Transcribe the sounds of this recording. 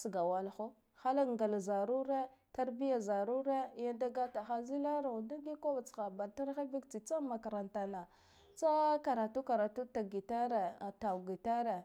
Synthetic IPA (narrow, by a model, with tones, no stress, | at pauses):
sɡa˨wa˨lxo˦ | xa˦la˦ŋɡa˨la˨za˨ɾu˦ɾe˦ta˦ɾbi˦ja˨za˨ɾu˦ɾe˦ja˦nda˦ɡa˦ta˨xa˦zi˦la˦ɾa˨da˦ɡi˦ko˦va˨t͡sxa˨ba˨ta˦ɾxa˦bi˦kt͡si˨t͡sa˦ma˨ka˨ɾa˨nta˨na˨ | t͡sa˦ka˨ɾa˨tu˦ka˨ɾa˨tu˦ta˨ɡi˨ta˦ɾe˨ta˨ɡi˨ta˦ɾe˨